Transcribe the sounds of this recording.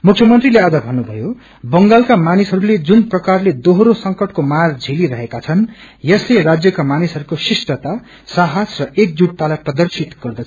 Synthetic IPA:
mukʰjʌmʌnt̪rilead͡zʌbʱʌnːubʱʌjo | bʌŋɡalkamanisɦʌɾuled͡zunprʌkarled̪oɦɾosʌŋkʌʈkomard͡zʱiliɾʌɦekat͡sʰʌn | jʌslerad͡zjʌkamanisɦʌɾukosisʈʌt̪a | saɦasrʌʔek̚d͡zuɽ̚t̪alaprʌd̪ʌrsit̪ɡ̥ʌrd̪ʌt͡sʰ

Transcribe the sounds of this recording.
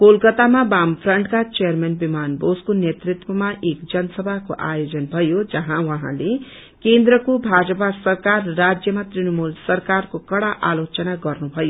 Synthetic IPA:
kolkʌt̪amabampʰrʌɳʈkat͡sejʌrmenbimanboskonjet̪rit̪wʌmaʔekd͡zʌnʌsʌbʱakoʔa̰jod͡zʌnbʱʌjod͡zʌɦãwʌɦã̰le | kend̪ɾʌkobʱad͡zʌpasʌrkarʌːad͡zjʌmat̪rinʌmulsʌrkarkokʌɽaʔalot͡sʌnaɡʌrnubʱʌjo

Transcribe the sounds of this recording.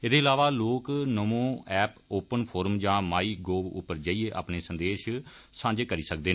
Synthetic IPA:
ɪd̪eːɪlaːʋaːloːknəmõːɛːpoːpənpʰoːɾmd͡ʒãːmaːiːɡoːbʊ̰pːəɾd͡ʒaːieːʔa̰ːpneːsənd̪eːʃsãːɲd͡ʒeːkəɾiːsək̚d̪eː

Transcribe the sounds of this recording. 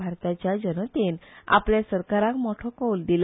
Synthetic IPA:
aɾt̪at͡ɕjad͡ʑənət̪ena̰pljasəɾkaɾakmɔʈʰɔkɔwld̪il

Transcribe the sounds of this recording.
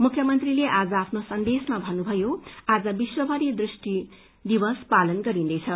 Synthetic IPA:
mukʰjʌmʌnt̪rileʔad͡zʌapʰnosʌnd̪esmabʱʌnubʱʌjoad͡zʌbiswʌbʱʌɾid̪risʈi | d̪ibʌspalʌnɡʌɾind̪ʌjt͡sʰʌ

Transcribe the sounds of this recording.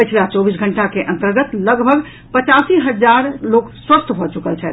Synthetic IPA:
pət͡ʃʰlat͡ʃɔbisɡʱəɳʈakeʔənt̪əɾɡət̪ləɡbʱəɡ | pət͡ʃasiɦəd͡ʒaɾlokswəst̪ʰbʱɔt͡ʃukəlt͡ʃʰɛ

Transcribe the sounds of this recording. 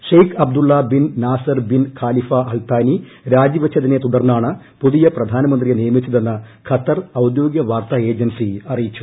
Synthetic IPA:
ʂɐjkʰɐbd̪uɭːɐbinnaːsɐrbinkʰaːlifɐɐlt̪aːni | ɾaːd͡ʑjiʋɐt͡ɕʰːɐðinet̪uðɐrnːaːɳɨ | puðijɐprɐd̪ʱaːnɐmɐnd̪rijenijɐmit͡ɕːɐðenːɐkʰɐt̪ːɐrɐwd̪jo̞ːɡjɐʋaːrt̪aːe̞ːd͡ʑɐnsiɐrijit͡ɕːu̥

